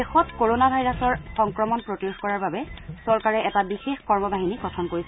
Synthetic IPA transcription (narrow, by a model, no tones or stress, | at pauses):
dexɔtkoɹonabʱajɹasɔɹxɔŋkɹɔmɔnpɹotioxkɔɹaɹbabɛsɔɹkaɹɛʔɛtabixexkɔɹmɔbaɦiniɡɔtʰɔnkoɹisɛ